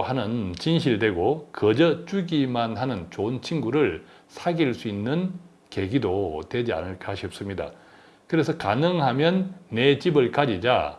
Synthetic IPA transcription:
hanɯnt͡ɕinɕʰiɭdwe̞ɡokʌd͡ʑʌt͡ɕuɡimanɦanɯnt͡ɕont͡ɕʰinɡuɾɯɭ | sʰaɡiɭs͈uinːɯn | ke̞ɡidotwe̞d͡ʑia̰nɯɭkʰaɕʰʌp̚s͈ɯmɲida̰ | kɯɾe̞sʰʌkanɯŋɦamjʌnːe̞t͡ɕibɯɭkad͡ʑid͡ʑa̰

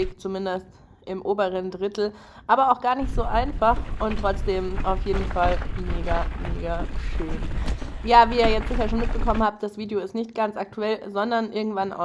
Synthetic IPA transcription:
ɪːkt͡sumɪndəst | ʔɪmʔoːbəʁəndʁɪtl̩ | ʔaːbɐaʊxɡ̥aːɐnɪçtz̥oːʔaɪnfaχʔʊntʁ̥ɔt͡sd̥eːmaʊfjeːdn̩falmeːɡameːɡaʃøːnjaːviːɐjɛt͡stz̥ɪçɐʃoːnmɪt̚b̥əkʰɔmənhaːp̚t̚d̥asv̥iːdeoɪstnɪçtɡ̥ant͡sʔak̚tuɛlzɔndɐnʔɪɐɡŋ̩tv̥anʔa̰ʊ

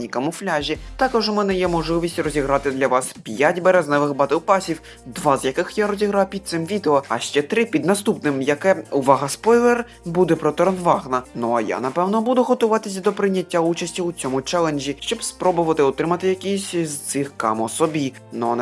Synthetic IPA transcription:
nʲikɐmʊflʲaʒʲit̪ɑkɔʒʊmɛnɛjɛmɔʒlˠɪʋʲisʲtʲrɔzʲiɦɾɑt̪ɪd̪lʲɐʋɑspʲjatʲbɛɾɛznɛʋɪxbɑt̪ɪwpɑsʲiw | d̪ʋɑzjɐkɪxjaɾɔzʲiɦɾɑwpʲid̪̚sɪmʋʲid̪eɔɐʃt͡ʃɛt̪ɾɪpʲid̪nɐst̪upnɪmjɐkɛʊʋɑɦɐspɔjlˠer | bud̪ɛpɾɔt̪ɔɾnʋɑɣnɐnɔɐja̰nɐpɛwnɔbud̪ʊɦɔt̪ʊʋɑt̪ɪsʲɐd̪ɔpɾɪnʲːɐtʲːaut͡ʃɐsʲtʲiʊt͡sʲɔmʊt͡ʃɛlˠenʒʲiʃt͡ʃɔbspɾɔbʊʋɐt̪ɪɔt̪ɾɪmɐt̪ɪjɐkʲisʲzt̪sɪxkɑ̰mɔsɔbʲi | nɔn

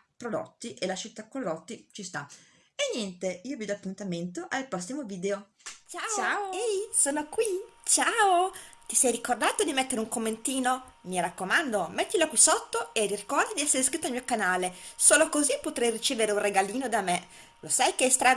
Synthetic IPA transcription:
pɾod̪o̰t̪ːiʔelat͡ʃːit̪ːakːolːɔt̪ːit͡ʃist̪a | enːjɛnt̪eiːovid̪ɔapːunt̪ament̪oʔalpast̪imoviːd̪eo | t͡ʃaaosoːnokwit͡ʃaot̪isɛjrikord̪aːt̪od̪imet̪ːeɾeuŋkomːent̪iːnomiɾakːomand̪omet̪ːilokwisot̪ːoeririkɔɾd̪id̪iɛsːeɾeskɾit̪ːoalmiokanaːlesoːlokozipːot̪ɾɛjrit͡ʃeːveɾeunreɡaliːnod̪ame | losajkeɛst̪ɾa

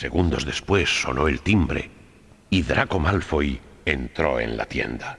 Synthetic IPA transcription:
se̞ɣund̪o̞zðe̞spwe̞sːo̞no̞e̞lt̪imbɾe̞̰ | iðɾʔako̞malfojent̪ɾo̞̰e̞̰nla̰t̪je̞̰nd̪a

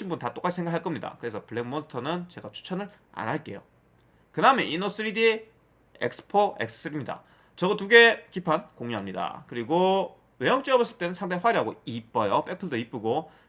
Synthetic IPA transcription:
inmbuntat͈ok͈at͡ɕʰisʰeŋɡakʰaɭk͈ʌmɲida̰kɯɾe̞sʰʌpɯɭːeɡ̚monitʰʌnɯnt͡ɕe̞ɡat͡ɕʰu̥t͡ɕʰʌnɯɾ | a̰naɭk͈e̞jo̰ | kɯnaɯmeʔinos͈ɯɾidi | ek̚s͈ɯ̥pʰoʔe̞ks͈ʰɯ̥s͈ɯɾimɲida̰ | t͡ɕʌɡʌtuɡe̞kipʰankoŋɲuɦamɲida̰kɯɾiɡo | we̞jʌŋt͡ɕ͈iʌbʌs͈ɯɭt͈enɯnsʰaŋtʰeɸwaɾiɦaɡoip͈ːʌjʌp͈e̞k̚pʰɯɭdoip͈ɯɡo

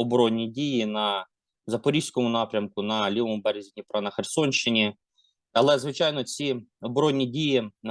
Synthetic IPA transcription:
ɔbɾɔnʲːidʲijinɐ | zɐpɔɾʲiʃʲsʲkɔmʊnɑpɾʲɐmkʊnɐlʲiʋɔmʊbɛɾʲzʲinʲipɾɑnɐxersɔnʲʃɪnʲi | ɐlˠɛzʋɪt͡ʃɑjnɔt͡sʲiɔbɾɔnʲːidʲijɪn

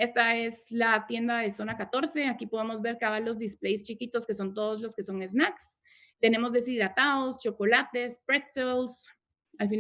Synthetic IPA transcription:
e̞st̪ae̞slat̪je̞nd̪aðe̞so̞nakat̪o̞ɾse̞akipo̞ð̞e̞mo̞zbe̞ɾkaβalo̞zd̪isple̞jst͡ʃikit̪oskeso̞nt̪̬o̞ðo̞zlo̞ske̞so̞ŋe̞znaks | t̪e̞ne̞mo̞zðe̞s̬iðɾat̪aost͡ʃo̞ko̞lat̪e̞spɾet̪sels | alfin

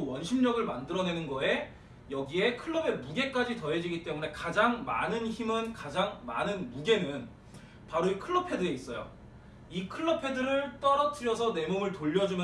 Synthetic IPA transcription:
wʌnɕʰimɲʌɡɯɭmandɯɾʌne̞nɯnɡʌe̞ | jʌɡie̞kʰɯɭːʌbe̞muɡe̞k͈ad͡ʑitʌɦe̞d͡ʑiɡit͈e̞mune̞kad͡ʑaŋma̰nɯnçimɯnkad͡ʑaŋma̰nɯnmuɡe̞nɯn | paɾoikʰɯɭːʌpʰe̞dɯe̞is͈ʌjo̰ | ikʰɯɭːʌpʰe̞dɯɾɯɭt͈ʌɾʌt͡ɕʰɯɾjʌsʰʌne̞momɯɭtoʎːʌd͡ʑumj

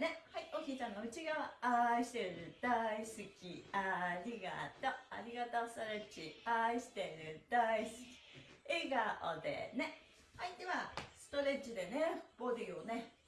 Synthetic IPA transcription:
nehaiokʲiːt͡ɕãŋɡaɯ̟t͡ɕiɡaaiɕi̥t̪eɾɯ̟d̪̥aisɨkʲiaɾʲiɡa̰t̪oa̰ɾʲiɡat̪osɨ̥t̪oɾet͡ɕiaiɕi̥t̪e̞ɾɯ̟d̪̥aisɨ̥kʲi̥eɡaʔo̰d̪ḛne̞ | ait̪ːeβasɨ̥t̪o̞ɾet͡ɕid̪e̞neb̥o̞d̪ʲione

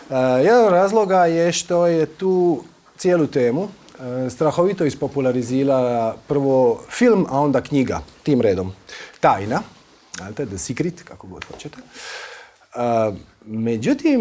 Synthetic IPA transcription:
jed̪anoɾaːzlˠo̞ɡajeʃt̪o̞jet̪uː | t̪sjeːlut̪eːmu | st̪ɾaxo̞ʋit̪oispo̞pulˠaɾiziːɾalapr̩ʋofilmao̞nd̪akɲiɡa̰t̪iːmɾeːd̪omt̪aːjna | zalt̪ed̪əsikɾit̪kakoɡod̪̥xot͡ɕet̪e̥ | med͡ʑut̪im

